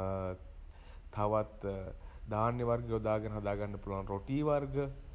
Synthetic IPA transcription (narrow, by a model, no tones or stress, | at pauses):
t̪ʰːaʋat̪d̪aːnjəʋarɡəud̪aːɡənəɦad̪aːɡanːəpuloanɾoʈiːʋarɡə